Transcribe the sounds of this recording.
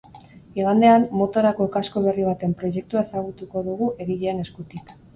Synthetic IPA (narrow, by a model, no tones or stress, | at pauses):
eɣand̪e̞amːo̞t̪o̞ɾako̞kasko̞β̞e̞riβ̞at̪e̞mpɾo̞je̞k̚t̪uae̞saɣ̞ut̪uko̞ðuɣuʔe̞ɣiʎeane̞skut̪ik